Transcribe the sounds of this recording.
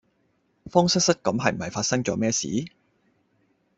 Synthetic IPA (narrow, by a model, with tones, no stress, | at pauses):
fɔː˥ŋsɪ˥k̚sɐ˥t̚kɐ˨˥mɦɐ˨jm̩˨˩hɐ˨jfaː˧t̚sɐ˥ŋt͡sɔː˨˥mɛː˥sḭː˨˥